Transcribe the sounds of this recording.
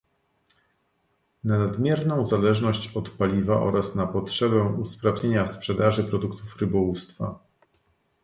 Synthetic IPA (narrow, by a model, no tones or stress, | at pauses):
nanad̪mʲjɛɾnɔ̃w̃zalɛʐnɔɕt͡ɕɔt̪palʲivaʔɔ̰ɾasnapɔtʂɛbɛuspɾavɲeɲaspʂɛd̪aʐɘpɾɔd̪ukt̪ufɾɘbɔwust̪fa̰